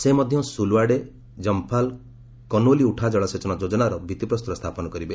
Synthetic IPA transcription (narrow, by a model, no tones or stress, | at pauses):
semɔd̪ʱjɔsuluaɽe | d͡ʒɔmpʰal | kɔnoliuʈʰad͡ʒɔɭɔset͡ʃɔñɔd͡ʒod͡ʒɔnaɾɔbʱit̪ipɾɔst̪ɾɔst̪ʰapɔnɔkɔɾibe